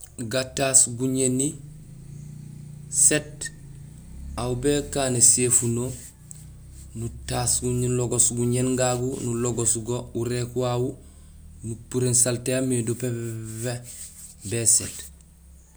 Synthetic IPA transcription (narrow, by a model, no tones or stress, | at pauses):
ɡatasɡuɲeni | set | awbekaːnesefuno | nutasɡuɲnloɡosɡuɲenɡaɡunuloɡosɡouɾekuwawu | nupuɾensalteamedopeve | beset